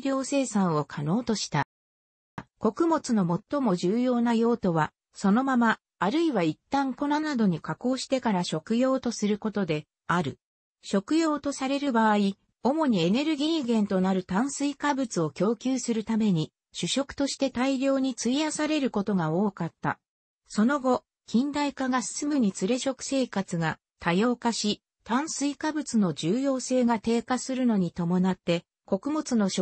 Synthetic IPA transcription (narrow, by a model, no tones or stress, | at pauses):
ɾʲo̞ːse̞ːsãɰ̃o̞kʰano̞ːt̪o̞ɕi̥t̪a | ko̞kɯ̟mo̞t͡sɨno̞mo̞t̪ːo̞mo̞ʑɨːjo̞ːnajo̞ːt̪o̞βa | so̞no̞mamaː | ɾɯ̟iβait̪ːãŋko̞nanad̪o̞ɲ̟ikako̞ːɕi̥t̪e̞kaɾaɕo̞kɯ̟jo̞ːt̪o̞sɨɾɯ̟ko̞t̪o̞d̪e̞ | aɾɯ̟ | ɕo̞kɯ̟jo̞ːt̪o̞saɾe̞ɾɯ̟baːi | o̞mo̞ɲ̟ie̞ne̞ɾɯ̟ɡʲiɡẽ̞nt̪o̞naɾɯ̟t̪ãɰ̃sɨikabɯ̟t͡sɨo̞kʲo̞ːkʲɨːsɨɾɯ̟t̪ame̞ɲ̟i | ɕɨɕo̞kɯ̟̥t̪o̞ɕi̥t̪e̞t̪aiɾʲo̞ːɲ̟it͡sɨiasaɾe̞ɾɯ̟ko̞t̪o̞ɡao̞ːkat̪ːa̰ | so̞no̞ɡo̞ | kʲĩnd̪aikaɡasɨ̥sɨmɯ̟ɲ̟it͡sɨɾe̞ɕo̞kɯ̟̥se̞ːkat͡sɨɡa | t̪ʰajo̞ːkaɕi | t̪ãɰ̃sɨikabɯ̟t͡sɨno̞d͡ʑɨːjo̞ːse̞ːɡat̪e̞ːkasɨɾɯ̟no̞ɲ̟it̪o̞mo̞nat̪ːe̞ | ko̞kɯ̟mo̞t͡sɨno̞ɕo